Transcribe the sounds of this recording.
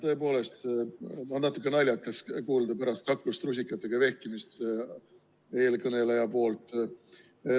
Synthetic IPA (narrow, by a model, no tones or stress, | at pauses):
t̪ɤ̞e̞po̞ːle̞st̪mɑnnɑt̪ːˑukːˑenɑlʲjɑkːˑɑskuːld̪ɑpæɾɑst̪̚kɑkːlust̪rus̬ʲikːˑɑt̪ːˑe̞ɡ̥ɑve̞hkimist̪ | e̞ːlkɤne̞lejɑpo̞ːlt̪ˑ